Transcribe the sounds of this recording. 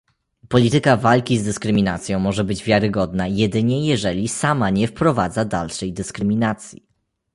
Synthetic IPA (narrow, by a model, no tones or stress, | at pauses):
pɔlʲit̪ɘkavalkʲizd̪ɘskɾɘmʲina̰t̪sʲjɔ̃w̃mɔʐɛbɘd͡ʑvʲjaɾɘɡɔd̪najɛd̪ɘɲɛjɛʐɛlʲisamaɲɛfpɾɔvad̪zad̪a̰lʂɛjd̪ɘskɾɘmʲinat̪sʲji